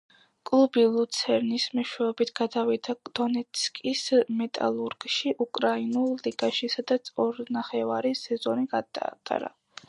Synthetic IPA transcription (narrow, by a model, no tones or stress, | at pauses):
kʼlˠubilˠut̪sʰɛɾnismɛʃwɛɔbit̪ʰɡ̥ad̪avid̪ad̪̥ɔnɛt̪skʼismɛt̪ʼa̰lˠuɾɡʃiʔukʼɾainulˠliɡaʃisad̪at̪sʰɔɾnaχɛvaɾisɛzɔniɡad̪a̰t̪ʼa̰ɾa̰